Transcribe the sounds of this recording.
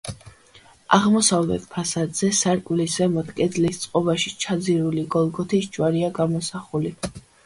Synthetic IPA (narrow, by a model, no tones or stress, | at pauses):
a̰ʁmɔsavlɛ̰t̪̚pʰasad̪z̥ɛsaɾkʼwlisvɛmɔt̪ʰkʼɛd̪zlist̪sʼqʼɔbaʃit͡ʃʰad̪ziɾuliɡɔlˠɡɔt̪ʰisd͡ʒʼwaɾiaɡamɔsaχuli